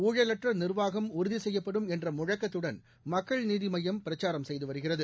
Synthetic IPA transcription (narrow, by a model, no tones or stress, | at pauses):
uːɻɐlɐʈrɐnɪrʋaːɣɐmʊɾɯðisɛjːɐpːɐɽɯmɛndrɐmʊɻɐkːɐt̪ːɯɽɐn | mɐkːɐɭniːðimɐjːɐmpɪɾɐt͡ʃːaːɾɐmsɛjðɯʋɐɾɯɣɪrɐðɯ